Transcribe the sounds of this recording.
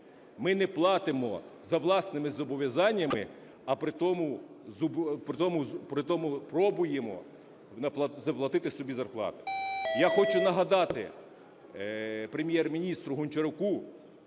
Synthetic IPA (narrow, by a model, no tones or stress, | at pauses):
mɪnɛplˠɑt̪ɪmɔ̰zɐʋlˠɑsnɪmɪzɔbɔʋʲjɐzɑnʲːɐmɪ̰ | ɐpɾɪt̪ɔmʊ | zpɾɪt̪ɔmʊpɾɪt̪ɔmʊpɾɔbʊjemɔ̰ | nɐp̪ˠɐzɐplˠɐt̪ɪt̪ɪsɔbʲizɐrplˠɑ̰t̪ɪ̥jaxɔt͡ʃʊnɐɦɐd̪ɑt̪ɪ̰ | pɾemʲjɛrmʲinʲist̪ɾʊɦʊnʲt͡ʃeɾʊku